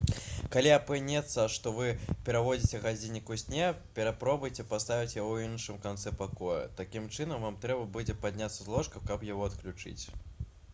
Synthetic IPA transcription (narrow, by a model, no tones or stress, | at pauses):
kalʲiapɨnʲɛt̪sːɐʂt̪ɔvɨpʲɛɾavɔd͡zʲit͡sʲɛɣad͡zʲinʲikusʲnʲɛpʲɛɾapɾɔbujt͡sʲɛpast̪avʲit͡sʲjawinʂɨmkant̪sɛpakɔjṵt̪akʲimt͡ʂɨnɐmvamt̪ɾɛbɐbud͡zʲɛpad̪ʲnʲat̪sɐzlˠɔʂkɐwkɐpjaɣɔɐt̪klʲut͡ʂɨ̰t͡sʲ